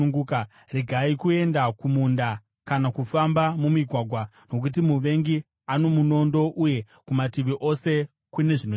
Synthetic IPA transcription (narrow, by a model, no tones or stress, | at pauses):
ŋɡuka | riɡʱaikue̞ndakumunda | kanakufambamumiɡʱwaɡʱwa | no̞k̬ut̬imuʋe̞ŋɡi | ano̞muno̞ndo̞ʔuje̞ | kumatiʋiʔo̞se̞ | kune̞ʐino